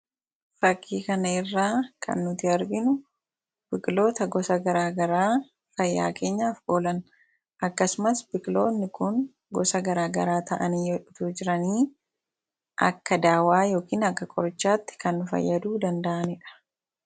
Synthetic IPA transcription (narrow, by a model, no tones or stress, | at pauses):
fɐkʼːiːkɐnɐɪrːaːkʰɐ̰nːʊt̪ɪɐɾɡɪnʊ | b̥ɪkʼlo̞ːt̪ɐɡɔsɐɡɐɾaːɡɐɾaː | fɐjːa̰ːkʰe̞ːɲːaːfʔo̞ːlɐn | ʔɐkːɐsʊmɐsbɪkʼlo̞ːnːɪkʊŋ | ɡɔsɐɡɐɾaːɡɐɾaːt̪ɐʔɐniːᶑʊt̪uːd͡ʒɪɾɐniː | ʔɐ̰kːɐd̪aːwaːjo̞ːkiːnɐkːɐkʼɔɾt͡ʃːaːt̪ːɪ̥kɐnːʊfɐ̰jːɐd̪uːd̪ɐnd̪ɐʔɐnɪᶑɐ̥